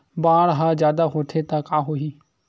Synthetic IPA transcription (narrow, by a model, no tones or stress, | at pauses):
baːɽɦazjaːd̪aɦoːt̪ʰet̪akaːɦoɦiː